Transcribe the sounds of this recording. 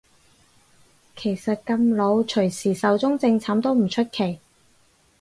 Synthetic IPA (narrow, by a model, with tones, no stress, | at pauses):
kʰe˨˩jsɐ˨t̚kɐ˧mlo˨˧wt͡ʃʰɵ˨˩ɥsiː˨˩sɐ˨˧wt͡sʊ˥ŋt͡sɪ˧ŋt͡sʰaː˨˥mt̪o˥wm̩˨˩t͡ʃʰɵ˥t̚kʰe˨˩j